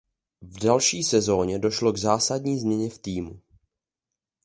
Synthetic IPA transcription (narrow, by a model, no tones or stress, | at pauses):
vdalʃiːsɛzo̞ːɲɛdo̞ʃlo̞ɡzaːsadɲiːzmɲɛɲɛft̪iːmṵ